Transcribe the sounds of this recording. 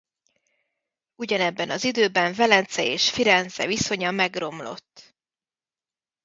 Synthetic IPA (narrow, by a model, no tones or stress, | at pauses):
uɟɒnɛbːɛnɒzid̪øːbɛɱvɛlɛnt̪sɛeːʃfiɾɛnzɛ̰viso̞ɲɒmɛɡro̞mlo̞̰t̪ː